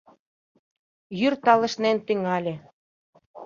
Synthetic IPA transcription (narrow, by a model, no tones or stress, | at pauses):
jyrt̪ɑlə̆ʃnent̪yŋɑlʲĕ